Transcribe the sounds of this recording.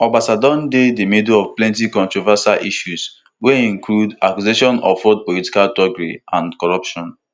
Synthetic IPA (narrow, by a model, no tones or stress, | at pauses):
ɔbasadɔ̃ndedemĩdoɔvplɛ̃ntikɔ̃ntɹɔvasalʔiʃus | weĩŋkluda̰kjuzeʃɔ̃nɔ̰fɔd̚pɔliti̥kaltɔɡɹiãnkɔɹɔpʃɔ̃n